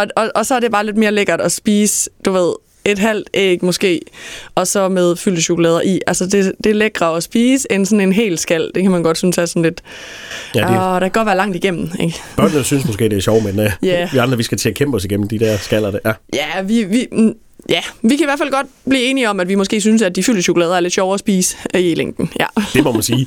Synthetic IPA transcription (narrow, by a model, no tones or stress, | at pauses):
ɒ̽ɒ̽ʔɒ̽sɒæɐde̝b̥ɑ̈ːled̥̚me̝ːɐleɡ̥ɐd̥ɒ̽sb̥iːsd̥uʋe̝ð̰ˠ | e̝d̥ɦæl̰d̥ʔeɡ̥mɔ̽sɡ̥e̝̰ːɒ̽sɒ̽með̞ˠfyl̰əɕo̝kʰulɛ̰ːð̞ˠɐʔiʔælsəde̝d̥e̝leɡ̥ʁɐɒ̽sb̥iːsensɒ̽ne̝nɦe̝̰ːlsɡ̥æl̰d̥e̝kʰæmænɡ̥ɒ̽d̥synsæɐsɒ̽nle̝d̥ | d̥ɑ̈kʰæɡ̥ɒ̽dʋæɐlɑ̈ŋ̰d̥iɡ̥em̰n̩e̝ɡ̥bɶɐ̰nəsynsmɔsɡ̥e̝ːd̥eæɐɕɒʊmenjæʋiɑ̈nd̥ʁɐʋisɡ̥æt͡sʰe̝ækʰemb̥ɒ̽siɡ̥em̰n̩d̥id̥æɐ̰sɡ̥æl̰ɐdejæjæʋiʋi | jæʋikʰæiʋæɐfælɡ̥ɒ̽d̥̚b̥liːe̝ːniɒ̽mæd̥ʋimɔ̽s̬ɡ̥e̝ːs̬ynsæd̚d̥ifyl̰əɕo̝kʰʊlɛːð̞ˠɐæɐle̝d̥ɕɒʊɒsb̥iːsə̥ileŋ̰ɡ̥n̩jæ̰d̥e̝mɒmænsiː